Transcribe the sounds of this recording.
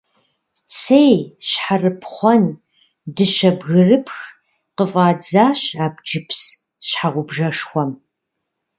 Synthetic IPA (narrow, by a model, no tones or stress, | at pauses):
t͡sʰejɕħarɨpʰχʷɔn | dɨʃɐbɣɨrɨpʰx | qəfʼaːd͡zaːɕaːb̚d͡ʒɪpʰs | ɕħaʁʷʊbʒɐʂxʷɔm